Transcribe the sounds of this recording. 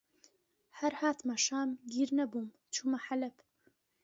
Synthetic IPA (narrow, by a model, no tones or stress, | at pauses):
hɐɾhaːt̪maʃaːmɡiːɾnɐbuːm | t͡ʃʰuːmɐħalɐp